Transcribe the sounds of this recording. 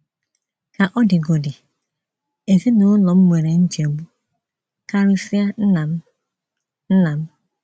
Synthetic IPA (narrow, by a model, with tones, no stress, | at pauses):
ka˨ʔɔ˦dɪ˨ɡo˨dɪ˨ | e˨zi˦nʊ˨˦lɔ˨m̩˦mʷe˨ɾe˨n̩˦d͡ʒi˨o˨bu˦ | ka˦ɾʊ˦fi˦a˦na˨m˦ | n̩˦na˨m̩˦